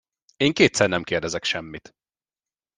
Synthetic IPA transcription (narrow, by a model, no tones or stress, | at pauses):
eːŋkeːt̪sɛrnɛmkeːrd̪ɛzɛkʃɛmːit̪